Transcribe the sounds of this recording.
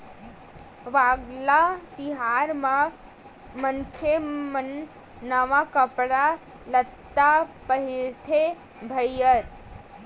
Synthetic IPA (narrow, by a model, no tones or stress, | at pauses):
ʋaɡlat̪iɦaɾmã | mənkʰemən | nəʋakəpɽa | lət̪ːapəɦiɾt̪ʰe | bʱəjəɾ